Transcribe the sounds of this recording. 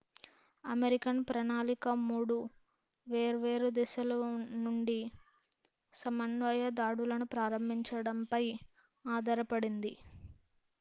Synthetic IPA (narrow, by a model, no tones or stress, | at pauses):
ɐmeɾikɐnpɾɐnaːlikɐmuːɽu | ʋeːɾʋe̞ːɾud̪ɛsɐlɐnuɳɖi | sɐmɐnʋɐjɐd̪aːɽulɐnupɾaːɾɐmbʱiɲt͡ʃɐɽɐmpɐj | aːd̪ɐɾɐpɐɽind̪i